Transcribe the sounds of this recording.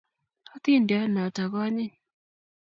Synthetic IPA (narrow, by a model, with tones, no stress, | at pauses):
a˦t̪i˦˨nda˦na˨ta˨ka˦ɲi˦